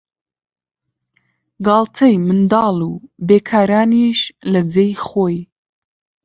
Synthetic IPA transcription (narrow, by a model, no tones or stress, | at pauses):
ɡɑːlˠt̪ʰɐjmɨnd̪ɑːlubeːkʰaːɾaːniʃlɐd͡zejχoːj